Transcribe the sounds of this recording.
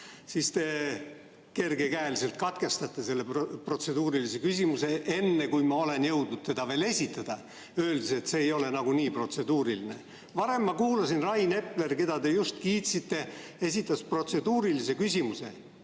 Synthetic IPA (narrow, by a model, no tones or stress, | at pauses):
sist̪e̞ | ke̞rɡe̞kæelise̞lt̪̚kɑt̪ke̞st̪ɑt̪ːˑe̞se̞lːepro̞t̪se̞d̪uːɾilise̞kysʲimuse̞ʔe̞nːe̞kujmɑo̞le̞njɤ̞wd̪̚nud̪̥̚t̪e̞d̪̥ɑve̞ːle̞sʲit̪ːˑɑd̪̥ɑ | ø̞ːld̪ise̞t̪se̞ːjo̞le̞nɑɡ̥uniːpro̞t̪se̞d̪uːɾiline | vɑɾe̞mːɑkuːlɑsinrɑjne̞ple̞rke̞d̪̥ɑd̪e̞just̪kiːt̪sit̪ːe̞e̞sʲit̪ːˑɑspro̞t̪se̞d̪uːɾilise̞kysʲimuse̞̰